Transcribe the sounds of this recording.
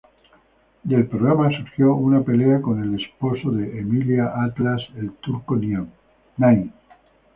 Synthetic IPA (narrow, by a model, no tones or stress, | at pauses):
d̪e̞lpɾoɣɾamasuɾxjo̞unape̞leako̞ne̞le̞spo̞soðe̞ʔemiljaʔat̪laselt̪uɾkonja | naj